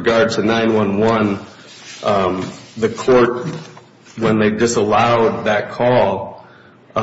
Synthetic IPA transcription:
ɡɑɹd̚tʰɨnãɪ̃nwʌ̃nwʌ̃n | ðɨkʰɔɹt̚ | wə̃nðeɪdɨsəlaʊd̪̚ðɨt̚kʰɔlˠ

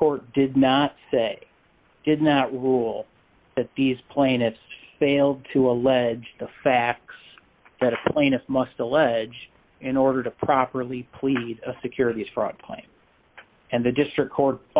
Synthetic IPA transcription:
kʰɔɹt̚d̥ɪdⁿnətseɪ | d̥ɨdⁿnət̚ɹulˠ | ðɨt̪̚ðiz̥pʰl̥ẽɪ̃nɨfsfeɪlˠd̚tʰəəlɛd͡ʒðəfæk̚s | ðɨɾɨpʰl̥ẽɪ̃ñɨsmʌstəlɛd͡ʒ | ɪ̃nɔɹɾə˞ɾəpʰɹ̥ɑpə˞lˠipʰl̥iɾəsɨkʰj̥ʊɹɨɾiz̥fɹɔ̰d̚kʰl̥ḛ̃ɪ̃m | ɨ̃nðɨdɪstɹ̥ɨkʰɔɹt̚

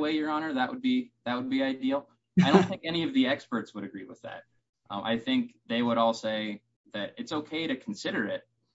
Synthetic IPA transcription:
weɪjə˞ɑnə˞ðəʔwəd̚biðɨt̚wəd̚biaɪdil̩ˠ | ɪɾõʊ̃nθɪ̃ŋkɛñiʌvðiɛkspə˞tswəɾɨɡɹiwə̰ðæ̰t̚ | ʔʌ̃mʔa̰ɪθɪ̃ŋk̚ðeɪwəɾɔlˠseɪ | ðɨɾɨtsoʊkʰeɪɾɨkʰn̩sɪɾə˞ɪt̚

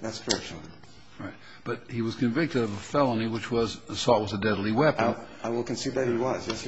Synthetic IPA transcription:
ðætskʰə˞ɛ̰k̚ʃn̩ˠ | ɹaɪt̚ | b̥ʌt̚hiwʌz̥kʰɨ̃ɱvɪk̚tɨɾʌvəfɛlˠəniwɨt͡ʃwʌz̥sɔt̚wʌzɨdɛdˡlˠiwɛp | aɪwɪlˠkɨ̃nsiðɨhiwʌzjɛs

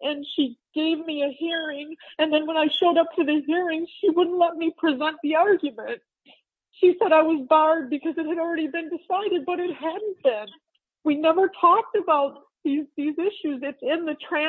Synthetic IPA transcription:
ʔɨ̃nʃiɡ̥eɪvmiɨhiɹɪ̃ŋɨ̃nðɨ̃nwə̃naɪʃoʊɾʌp̚tʰɨðɨɦiɹɪ̃ŋʃiwʊdⁿn̩tˡlɛt̚mipʰɹ̥izɛ̃nðiɑɹɡjɨmɨ̃nt̚ | ʃisɛɾaɪwʌzbɑɹd̚bɨkʰʌzɨt̚hɨɾl̩ˠɹɛɾibɨ̃ndɨsaɪɾɨd̚bʌɾɨt̚hædⁿn̩b̥ɪ̃n | winɛvə˞tʰɔk̚tɨbaʊt̪̚ | ðizðizɪʃʉzɨtsɪ̃nðɨtʰɹ̥æ̃

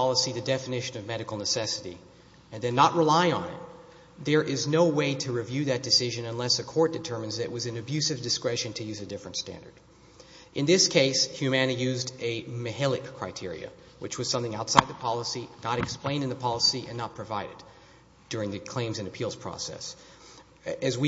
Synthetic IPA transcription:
pʰɑlˠəsiðɨdɛfɨnɪʃɨ̃nʌvmɛɾɨkl̩ˠnəsɛsɨɾi | ɨ̃nðɨ̃nːəʔ̚ɹəlaɪə̰̃nɪ̰t̪̚ | ðə˞ʔɪznoʊweɪɾɨɹɨvjʉðɨt̚d̥ɨsɪʒɨ̃nɨ̃nlɛsɨkʰɔɹt̚d̥ɨtʰɜ̃˞mɨ̃nzðɨɾɨʔ̚wʌzɨ̃nɨbjʉsɨvdɨskɹɛʃɨ̃ntʰɨjʉzɨdɪfɹɨ̃ntstæ̰̃ndə̰˞d̥ | ʔɨ̃nðɪskʰeɪshjʉmænijʉzdɨmɨhɪlˠɨkʰːɹ̥aɪtʰɪɹḭɨ̰ | wɨt͡ʃwʌz̥sʌ̃mθɪ̃ŋaʊtsaɪd̪̚ðəpʰɑlˠəsinəɾɨksplẽɪ̃ndɨ̃nðəpʰɑlˠəsiʔɨ̰̃nːət̚pʰɹ̥ɨvaɪɾɨd | d̥ʊɹɪ̃ŋðɨkʰl̥ẽɪ̃mzɨ̃nɨpʰilˠz̥pʰɹ̥ɔ̰sɛ̰s | ɨzwi

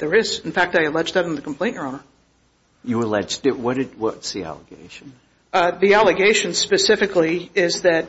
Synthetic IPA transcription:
ðə˞ɪz̃n̩fæk̚taɪɨlɛd͡ʒðɨɾ̃n̩ðɨkʰm̩pʰl̥ẽɪ̃njə˞õʊnə˞ | jɨəlɛd͡ʒdɨt̚wʌɾɨd̚wʌtsðiæ̰lˠəɡ̥ḛɪʃn̩ | ðiælˠəɡeɪʃɨ̃nspɨsɪfɨkliɪzðɨt̚

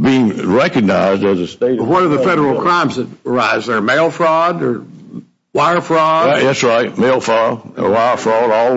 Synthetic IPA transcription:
biɪ̃ŋɹɛkɨɡ̚naɪzdɨzɨsteɪɾwʌɾə˞ðɨfɛɾə˞l̩ˠkʰɹ̥ãɪ̃mzðɨt̚ə˞aɪzə˞meɪlˠfɹɔdə˞ | waɪə˞fɹɔdjɛtsɹaɪt̚meɪlˠfɹɔd̰waɪə˞fɹɔɾɔ

